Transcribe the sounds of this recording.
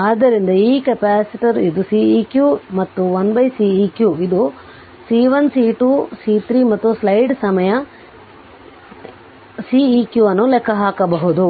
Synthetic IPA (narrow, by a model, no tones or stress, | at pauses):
aːd̪ɐɾind̪ɐiːkɐpaːsiʈiɐɾid̪usiːiːkjuːmɐt̪ːuʋɐnbɐjsiːiːkjuid̪u | siːʋɐnsiːʈuːsiːt̪ʰɾiːmɐt̪ːuslɐjɖsɐmɐjɐ | siːiːkjuːɐnːulɛkʰːɐɦaːkɐbɐɦud̪u